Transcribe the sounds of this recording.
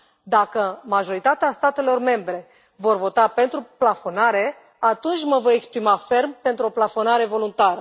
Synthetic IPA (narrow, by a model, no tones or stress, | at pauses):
d̪akəmaʒo̞ɾit̪at̪east̪at̪e̞lo̞rme̞mbɾe̞ | vo̞rvo̞t̪ape̞nt̪ɾuplafo̞naɾe̞ | at̪unt͡ʃʲməvo̞jekspɾimafe̞rmpe̞nt̪ɾuo̞plafo̞naɾe̞vo̞lunt̪aɾə